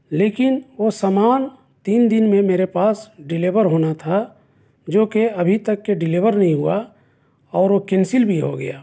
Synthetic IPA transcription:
leːkɪnʋosaːmaːn | t̪iːnd̪ɪnmẽmeːɾepaːsɖɪliʋəɾɦoːnat̪ʰa | d͡ʒoːkeɐbʱit̪əkːeɖɪliʋəɾnɐɦĩɦua | ɔːɾokɛ̃nsɪlbʱiɦo̰ɡɐjaː

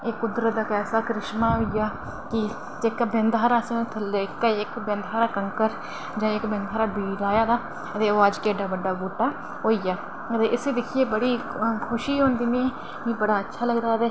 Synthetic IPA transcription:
ekːʊd̪ɾət̪̚d̪aːkɛːsaːkɾɪʃmãːɦoːijaː | kɪ | ekbɛ̃nd̪ɦaːɾaːsẽt̪ʰlekɪkbɛ̃nd̪ɦaːɾaːkəŋkəɾ | d͡ʒãːɪkbɛ̃nd̪ɦaːɾaːbiːlaːjaːd̪aː | ət̪eːoːəd͡ʒkeːɖaːbəɖːaːbuːʈaː | ɦoːiːjaː | ət̪eːʔɪseːd̪ɪkʰiːeːbəɽiː | kʰʊʃiːɦõːnd̪iːnẽː | kĩːbəɽaːətːʃʰaːləɡd̪aːt̪eː

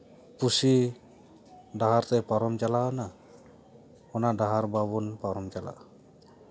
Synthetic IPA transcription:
pusi | daɦaɾt̪ɛpaɾɔmd͡ʒalaɔna | ɔnadaɦaɾbaβunpaɾɔmd͡ʒala̰

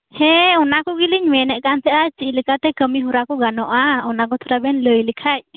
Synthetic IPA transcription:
hɛunakuɡiliɲmɛnɛʔkant̪ɛʔat͡ʃiʔlikat̪ɛkəmiɦuɾakuɡanɔʔaunak̬ɔt̪ʰuɾabɛnləjlikʰac̚

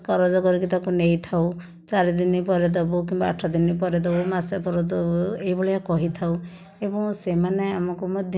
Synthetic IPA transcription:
kɔɾɔd͡ʒɔkɔɾikit̪akunejt̪ʰaw | t͡ʃaɾid̪inipɔɾed̪̬ɔbuk̬imbaa̰ʈʰːɔd̪inipɔɾed̪ɔbumasapɔɾɔd̪ɔbueibɔɭeakɔɦit̪ʰaw | ebɔŋsemaneamɔkumɔd̪ʱj

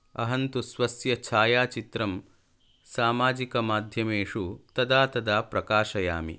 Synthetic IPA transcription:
ɐ̰ɦɐnt̪usʋɐsjɐt͡ʃʰaːjaːt͡ʃit̪ɾɐm | saːmaːd͡ʒikɐmaːd̪ʱjɐmeːʂut̪ɐd̪aːt̪ɐd̪aːpɾɐkaːʃɐja̰ːmḭ

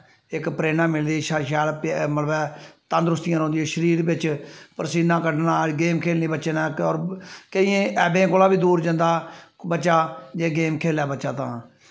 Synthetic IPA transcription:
ɪkpɾeːnãːmɪld̪iːʃʃɛːlpməlbɛːt̪ə̃ːnd̪ɾʊst̪ɪjãːɾõːnd̪ioːʃəɾiːɾbɪt͡ʃpəɾsiːnãːkəɖnãːɡeːmkʰeːlniːbəːt͡ʃeːnãːɔːɾkəiẽːɛːbẽːkoːlaːbiːd̪uːɾd͡ʒə̃nd̪aːbəːt͡ʃʃaːd͡ʒeːɡeːmkʰeːlɛːbəːt͡ʃaːt̪ã̰ː

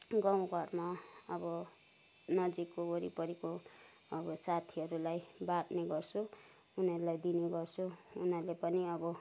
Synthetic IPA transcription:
ɡʌw̃ɡʱʌrmaʌbʌ | nʌd͡zikːooɾipʌɾiko | ʌbʌsat̪ʰiʌɾulajbaʈneɡʌrt͡sʰu | unʌɾulajd̪ineɡʌrt͡sʰuunʌɾlepʌniʌbʌ

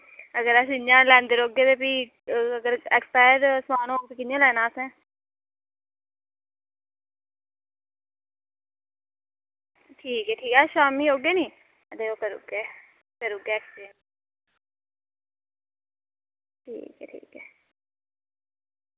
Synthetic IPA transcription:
əɡəɾəsɪɲjãːlɛ̃ːnd̪eɾoːɡeːt̪eːpiː | əɡəɾɛkspaːɪɾsmaːnõoːkpikɪnjãːlɛːnãːəsɛ̃ː | ʈʰiːkɛːʈʰiːkɛːʃaːmiːɦoːɡeːnĩː | d̪eːoːkəɾṵːɡeː | kəɾuːɡɛːɛːkspen | ʈʰḭːkɛ̰ːʈʰḭːkɛː

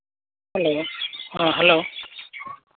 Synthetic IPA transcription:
hɛlohãɦɛlo

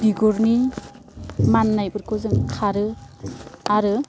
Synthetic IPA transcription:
biɡɔɾni | manːajbɯɾkʰɔzɯŋkʰaɾɯ | aɾɯ

